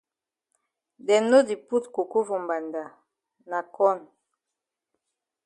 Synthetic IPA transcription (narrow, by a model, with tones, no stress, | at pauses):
dɛ˨no˦di˨pu˦tko˨ko˦vo˨mba˨nda˨ | na˨kɔ˦˨n